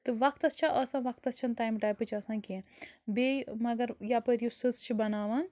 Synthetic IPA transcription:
t̪ɨʋɐk̚ʰt̪ɐst͡ʃʰaʔɐsãːʋɐk̚t̪ɐst͡ʃʰɐnt̪aːjmʈaːjpɨt͡ʃʰɐsãːkibemɐɡɐɾjapəɾjusɨzt͡ʃʰibɐnaːʋan

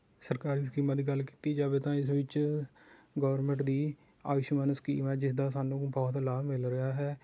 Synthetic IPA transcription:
səɾkaːɾiːskiːmãːd̪iːɡəlki̥ːt̪iːd͡ʒaːʋeːt̪ãːɪsʋɪt͡ʃ | ɡɔːɾmɛ̃ːɳʈd̪iː | a̰ːʋɪʃmənsə̥kḭːmɛːd͡ʒɪsd̪aːsaːnũːbɔːt̪laːmɪlɾɪaːɦɛː

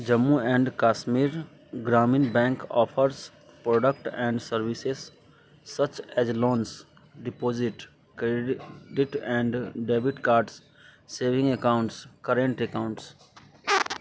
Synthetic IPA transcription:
d͡ʒəmːuɛ̃ɳɖkaːʃmiːɾ | ɡɾaːmĩnbɛ̃ːŋkɔ̰ːfʰəɾs | pɾɔːɖək̚ʈɛ̃ːɳɖsəɾʋises | sɐt͡ʃɛzlõːns | ɖɪpoːzɪʈ | kɾeɖɪʈɛ̃ɳɖɖeːbɪʈkaːɾɖs | seːʋɪ̃ŋɡekãʊ̃ɳʈskəɾẽɳʈekãʊ̃ɳʈs

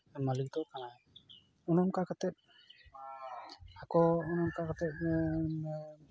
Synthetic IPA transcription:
malik̚d̪ɔkanaj | ɔnɔmkakat̪ɛt̪̚ | akɔːnɔmkakat̪ɛt̚

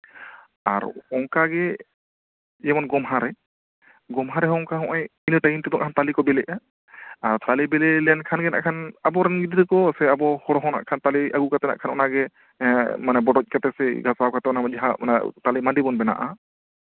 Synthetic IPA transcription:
a̰ɾɔŋkaɡɛ | d͡ʒɛmɔnɡɔmɦaɾɛ | ɡɔmɦaɾɛɦɔ̃ɔŋkaɦɔ̃ʔɛjinəʈajint̪id̪ɔŋʔkʰant̪alikɔbɛlɛʔa | aɾt̪alibɛlɛlɛjankʰanɡɛna̰ʔkʰanabɔɾɛnɡid̪ɾəkɔsɛabɔhɔɽɔɦɔna̰ʔkʰant̪aliʔaɡukat̪ɛna̰ʔkʰanɔnaɡɛ | manɛbɔɖɔc̚ˀkat̪ɛsɛɡʱasawkat̪ɛɔnad͡ʒaɦaɔ̰nat̪alimaɖibɔnbɛna̰ʔa

